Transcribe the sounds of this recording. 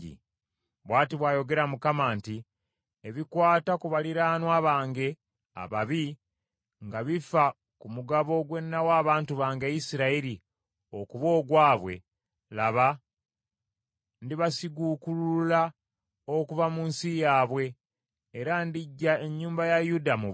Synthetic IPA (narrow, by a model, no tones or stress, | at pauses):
ḭ | βwaːtiβwaːjo̞ɡe̞ɾamukamaːnti | eβikwaːtakuβaliɾaːnwaβaːŋɡe̞ | a̰βaβi | ŋɡaβifa | kumuɡaβo̞ɡwe̞nːawaːβaːntuβaːŋɡejisiɾaiɾi | o̞kuβo̞ːɡwaːβwe̞̰ | laβa | ndiβasiɡukulula | okuvamuːnsijaːβwe̞ː | ɾandiɟːae̞ɲːuːmbajajudamu